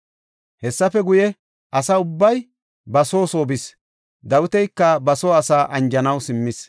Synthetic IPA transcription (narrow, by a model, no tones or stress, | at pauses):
hɛsːɐfɛɡʊjɛ | ʔɐsɐʊbːɐj | bɐso̞ːso̞ːbɪs | d̪ɐwʊt̪ɛjkːɐbɐsoːɐsaːʔɐnd͡ʒɐnɐwsɪmːɪs